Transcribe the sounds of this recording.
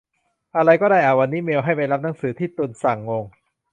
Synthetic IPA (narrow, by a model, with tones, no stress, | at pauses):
ʔa˧ɾa˧jkɔː˥˩daː˥˩jʔaː˨˩wa˧nːiː˦˥meː˧wɦa˥˩jpa˧jɾa˦˥p̚na˩˦ŋsɯː˩˦t̪ʰiː˥˩t̪u˧nsa˨˩ŋːo˧ŋ